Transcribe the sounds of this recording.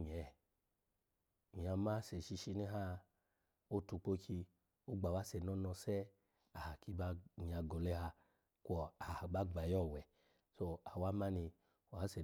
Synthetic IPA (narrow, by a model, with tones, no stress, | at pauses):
ɲ˨ɛ˨ | mĩ˨a˧ma˦sɛ˨ʃi˧ʃi˧nɛ˦ɦa˦ | o˦tu˧k͡po˦ki˧ | o˦ɡ͡ba˨wa˦sɛ˨nɔ˦nɔ˧sɛ˦ | a˨ha˨ki˧ba˦ɲi˨a˧ɡɔ˨lɛ˦ha˧ | kʷɔ˨a˨hba˦ɡ͡ba˨jɔ˦˨wɛ˨ | so˧a˨wa˦ma˦ni˧˨ | a˨˦sɛ˨